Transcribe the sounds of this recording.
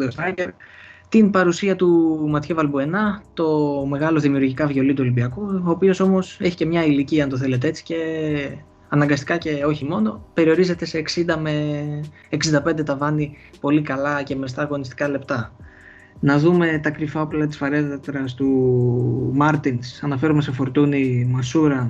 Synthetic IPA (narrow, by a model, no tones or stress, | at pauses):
sɐɟeɾt̪inpɐɾusiɐt̪umɐt̪çevɐlbue̞nɐt̪o̞me̞ɣɐlo̞ðimiuɾʝikɐvʝo̞lit̪uo̞limbiɐkuoːpio̞so̞mo̞se̞çi̥ce̞mɲɐiliciɐɐnt̪o̞θe̞le̞t̪ee̞t͡si̥ce̞ | ɐnɐŋɡɐst̪i̥kɐce̞o̞çimo̞no̞pe̞ɾio̞ɾize̞t̪e̞se̞ːksind̪ɐme̞ː | ksind̪ɐpe̞nd̪e̞t̪ɐvɐni | po̞likɐlɐce̞mest̪ɐːɣo̞nist̪i̥kɐle̞pt̪ɐ | nɐðume̞t̪ɐkɾifɐoplɐt̪i̥sfɐɾe̞ðɐt̪ɾɐst̪u | mɐɾt̪insɐnɐfe̞ɾumese̞fo̞ɾt̪unimɐsuɾɐ